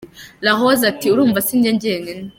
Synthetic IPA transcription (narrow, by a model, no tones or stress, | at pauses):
ɾaɦozatiuɾuːɱvasiːndeɲɟeŋene